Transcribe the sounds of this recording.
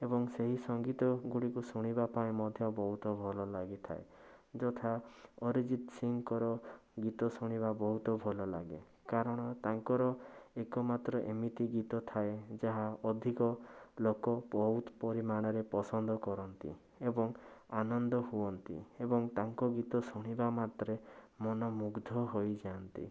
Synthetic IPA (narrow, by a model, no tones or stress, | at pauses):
ebɔŋseɦisɔŋɡit̪ɔɡuɽikusuɽ̃ibapaĩmɔd̪ʱjɔbɔɦut̪ɔbʱɔlɔlaɡit̪ʰa̰ed͡ʒɔt̪ʰaɔɾid͡ʒit̪siŋkɔɾɔɡit̪ɔsuɽ̃iβabɔɦut̪ɔbʱɔlɔlaɡḛ | kaɾɔɽ̃ɔt̪aŋkɔɾɔekɔmat̪ɾɔʔemit̪iɡit̪ɔt̪ʰaed͡ʒaɦaɔd̪ʱikɔlokɔpɔɦut̪pɔɾimaɽ̃ɔɾepɔsɔnd̪ɔkɔɾɔnt̪ḭ | ebɔŋanɔnd̪ɔhuɔnt̪ḭebɔŋt̪aŋkɔɡit̪ɔsuɽ̃ibamat̪ɾemɔnɔmuɡd̪ʱɔɦojd͡ʒaant̪ḭ